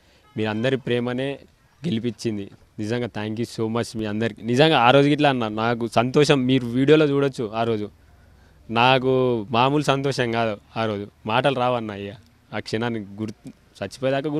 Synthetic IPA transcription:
miːɾɐnd̪ɐɾipɾɛːmɐne̞ː | ɡe̞lipit͡ʃːind̪i | nid͡ʒɐŋɡaːt̪ʰaːŋkjuso̞ːmɐt͡ʃmiːɐnd̪ɐɾikinid͡ʒɐŋɡaːaːɾo̞ːd͡ʒukiʈ̬laːɐnːaːɾunaːk̬usɐnt̪ɔːʂɐmːiːɾuʋiːɽijo̞ːlo̞ːt͡ʃuːɽɐt͡ʃːuaːɾo̞ːd͡ʒu | naːk̬umaːmuːlusɐnt̪ɔːʂɐŋɡaːd̪uaːɾo̞ːd͡ʒumaːʈɐluɾaːʋɐnːɐjːaː | kʂinaːnːiɡuɾt̪u | sɐt͡ʃːipoːjd̪aːk̬ɐɡu

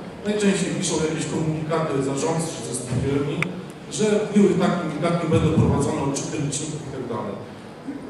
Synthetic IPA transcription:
najt͡ʂɛ̃w̃ɕt͡ɕejpʲiʂɔ̃w̃jakʲeɕkɔmuɲikat̪ɘzaʐɔnt̪sɛɕɛt͡ʂɛskʲifʲɛɾmʲi | ʐɛmʲiwɘt̪akʲuɲikat̪ɲɛbɛnd̪ɔ̃wpɾɔvad̪zɔnɛɔtt͡ʂɨk̪ɛɲʲit͡ɕːiŋkʲut̪aɡd̪a̰lɛ̰j

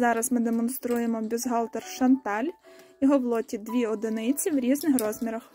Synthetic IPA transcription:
zɑɾɐzmɪd̪emɔnst̪ɾujemɔbʲuzɦɑlˠt̪erʃɐnt̪ɑlʲ | iɦɔwlˠɔtʲid̪ʋʲiɔd̪ɪnɪt͡sʲiwɾʲiznɪxɾɔzmʲiɾɐx

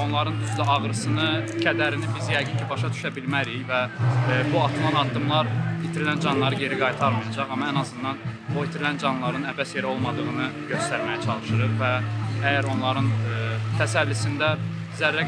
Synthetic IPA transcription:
o̞nlˠɑɾɯnyzlæɑʁɾɯsɯnɯcʰæd̪æɾinibizjæɡɯncʰibɑʃɑt̪ʰy̥ʃæbilmæɾijvæbuɑt̪ʰɯlˠɑnɑd̪ːɯmlˠɑɾit̪ʰiɾilænd͡ʒɑnlˠɑɾɯɟe̞ɾiɡɑjt̪ʰɑɾmɯjɑd͡ʒɑʁɑmɑænɑzɯnd̪ɑnboit̪ʰiɾilænd͡ʒɑnlˠɑɾɯnævæsjeɾo̞lˠmɑd̪ɯʁɯnɯɟø̞st̪æɾmæjæt͡ʃʰɑlˠɯʃɯɾɯɾvææjæɾo̞nlˠɑɾɯnt̪ʰæsælːisind̪æ | zæɾːæ

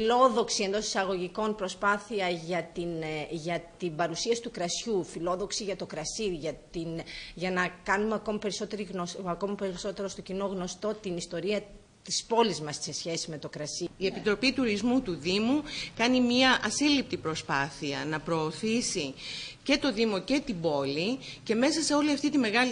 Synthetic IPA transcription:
ilo̞ðo̞ksiend̪o̞si̥sɐɣo̞ʝiko̞npɾo̞spɐθiɐʝɐt̪inʝɐt̪imbɐɾusiɐsi̥t̪ukɾɐsçufilo̞ðo̞ksiʝɐt̪o̞kɾɐsiʝɐt̪inʝɐnɐkɐnumeɐko̞mɐpe̞ɾiso̞t̪e̞ɾiɣoɐko̞mɐpeɾiso̞t̪e̞ɾo̞st̪o̞cino̞ɣno̞st̪o̞t̪inist̪o̞ɾiɐ | t̪i̥spo̞lizmɐsse̞sçe̞sime̞t̪o̞kɾɐsiie̞pit̪ɾo̞pit̪uɾizmut̪uðimukɐnimɐʔɐsilip̚t̪ipɾo̞spɐθiɐ̰nɐpɾo̞ːθisice̞t̪o̞ðimo̞ce̞t̪ibo̞lice̞me̞sɐse̞o̞liɐft̪it̪ime̞ɣɐl

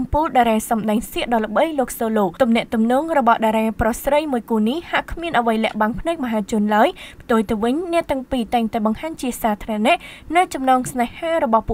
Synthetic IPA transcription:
mpuːlɗaɾaːsɑmɗaɛŋsiəʔɗɑːlə̆ɓəjloːk̚soːloːt̪umnɛ̆əʔt̪umnɔːŋrɔɓɑhɗaɾaːprohsrəjmuəjkuːnihhaʔkʰmiənʔəʋəjlɛ̆əʔɓanpʰnɨk̚mɔɦaːt͡ɕʊ̆ənlaəjpʰt̪uəjt̪ɨwʋɨɲnɛ̆əʔt̪ɛ̆əŋpiːt̪aɛŋt̪aɛɓɑŋhaːɲt͡ɕiəsaːt̪ʰranɛ̆əʔʔnɨwt͡ɕɑmnɑːŋsnahhaːrɔɓɑhpuəʔ

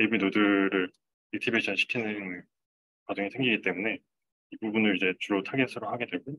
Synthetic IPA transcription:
ebinodɯɾɯɭ | ek̚tʰibeɕʰʌnɕʰi̥kʰinɯnɯ | kad͡ʑɯŋesʰe̞ŋɡiɡit͈e̞mune̞ | ibubunɯɾid͡ʑe̞t͡ɕuɾotʰaɡesʰɯɾoɦaɡe̞dwe̞ɭɡu

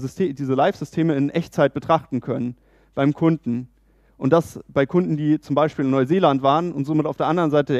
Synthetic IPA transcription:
stʰːdiːzəlaɪfz̥ʏstʰeːməɪnʔɛçt͡saɪt̚b̥ətʁ̥aχtn̩kʰœnən | b̥aɪmkʰʊndn̩ | ʔʊnt̚d̥asb̥aɪkʰʊndn̩diːt͡sʊmbaɪʃpiːlɪnɔʏzeːlantv̥aːʁənʊntz̥oːmɪtaʊfdeːɐandəʁənzaɪtəde

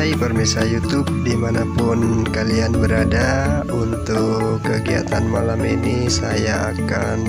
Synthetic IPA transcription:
aipərmisajut̪ʊp̚dimanapʊnkalianbəɾada | unt̪ʊ | kːəɡia̰t̪anmalaminisajaaka | n

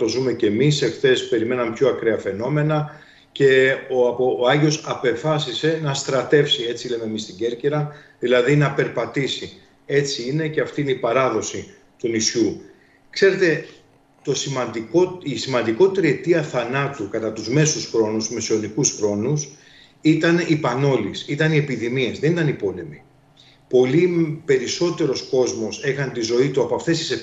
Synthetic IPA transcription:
t̪o̞zume̞ce̞mise̞xθe̞spe̞ɾime̞nɐmepço̞ɐkɾeɐfe̞no̞me̞nɐ | ce̞opoɐʝio̞sɐpe̞fɐsise̞nɐst̪ɾɐt̪e̞fsie̞t͡sile̞me̞mist̪iɟe̞ɾceɾɐðilɐðinɐpe̞ɾpɐt̪isi | e̞t͡siine̞ce̞ɐft̪iineipɐɾɐðo̞si | t̪unisçu | kse̞ɾe̞t̪e̞ | t̪o̞simɐd̪ikoisimɐnd̪iko̞t̪it̪eɾie̞t̪iɐθɐnɐt̪ukɐt̪ɐt̪uzme̞susxɾo̞nuzmesio̞nikusxɾo̞nus | it̪ɐnipɐno̞lisit̪ɐnie̞piðimie̞zðenit̪ɐnipo̞le̞mi | po̞lipe̞ɾiso̞t̪e̞ɾo̞sko̞zmo̞se̞xɐnt̪izo̞it̪uɐpoɐft̪e̞st̪i̥se

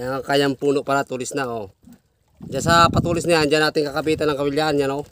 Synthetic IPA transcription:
aŋakajampunuʔpaɾat̪ulisnao | d͡ʒasapat̪ulis̬niand͡ʒanat̪iŋkakabit̪anaŋkaβiljanɲanɔ

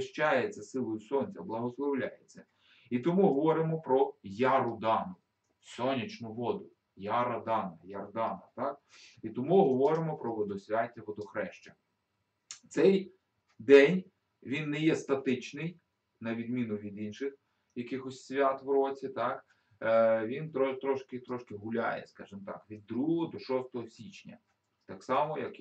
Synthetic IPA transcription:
ʃt͡ʃajet͡sʲːɐsɪlˠɔjʊsɔnʲt͡sʲɐblˠɐɦɔslˠɔwlʲajet͡sʲːɐ | it̪ɔmuɦɔʋɔɾɪmɔpɾɔjaɾʊd̪ɑnʊ | sɔnʲit͡ʃnʊʋɔd̪ʊ | jaɾɐd̪ɑnɐjɐrd̪ɑnɐt̪ɑk̚ | it̪ɔmuɦɔʋɔɾɪmɔpɾɔʋɔd̪ɔsʲʋʲatʲːɐʋɔd̪ɔxɾɛʃt͡ʃɐ | t̪sɛj | d̪ɛnʲ | ʋʲinːɛjɛst̪ɐt̪ɪt͡ʃnɪj | nɐʋʲid̪mʲinʊʋʲid̪inʃɪx | jɐkɪxɔsʲsʲʋʲat̪ʋɾɔt͡sʲit̪ɑk | ʋʲint̪ɾɔt̪ɾɔʃkɪt̪ɾɔʃkɪɦʊlʲa̰jɛ̰skɑʒɪmt̪ɑ̰kʋʲid̪ːɾuɦɔd̪ɔʃɔst̪ɔɦɔsʲit͡ʃnʲɐ̰ | t̪ɑksɑmɔjɐk

